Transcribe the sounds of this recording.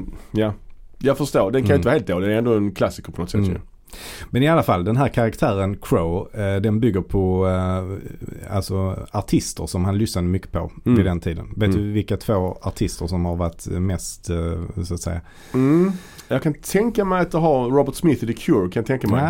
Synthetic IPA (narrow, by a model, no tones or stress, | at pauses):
jajɑːfəʂt̪oːɾd̪ɛnk̪anjʏɪt̪əːhelt̪d̪oːd̪ɛnæɾɛnd̪oːɛnkʰlasːɪkəpɔnɔt̪sɛt̪ːjɵ̰ | mɛnɪalːafalːd̪ɛnɦæːɾkʰaɾakt̪ʰæːɾənkʰɾoʊd̪ɛnbʏɡːəɾpʰɔ | a̰lsɔaʈʰɪst̪əɾʂɔmhanlʏsnad̪əmʏkːə̥pʰɔvɪd̪ɛnt̪ʰiːd̪ə̰nveːt̪d̪ɵvɪlkat̪ʰvoːaʈʰɪst̪əɾʂɔmhaɾvaʈːmɛst̪sʊat̪sɛ̰jːa | jɑkʰant̪ʰɛŋkamɛjat̪̚d̪əɦaɾɾɔbəʈ̪smɪθɪd̪əkʰjuɾkʰanjɑt̪ʰɛŋkamɛ̰j